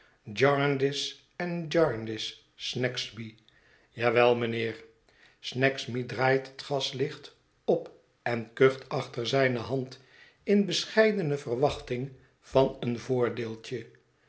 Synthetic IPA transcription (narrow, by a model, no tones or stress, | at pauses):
d͡ʒɑɹndɪs | ɛnd͡ʒɑɹndɪsː | nɛksbi | jaːʋɛlˠmənɪːɹ | snɛksbidraːjtɦə̥tχɑslɪχt | ɔp | ɛnkøχtɑχtəɹzɛjnəɦɑnt | ɪnbəsχɛjdənəvərʋɑχtɪŋ | v̥ɑnənvʊːɹdɪːlˠt͡ʃə